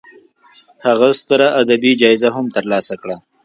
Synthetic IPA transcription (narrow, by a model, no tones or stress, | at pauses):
haɣast̪əɾaʔad̪abid͡ʒɑjzaɦʊmt̪əɾlɑsakɽa